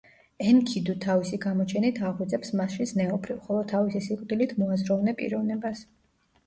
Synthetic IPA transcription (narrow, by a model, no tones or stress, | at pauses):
ɛnkʰid̪ut̪ʰavisiɡamɔt͡ʃʰɛnit̪ʰaʁwɛd̪zɛpsmasʃisnɛɔbʰɾivχɔlˠɔt̪ʰavisisikʼd̪ilit̪ʰmɔazɾɔvnɛpʼḭɾɔvnɛbas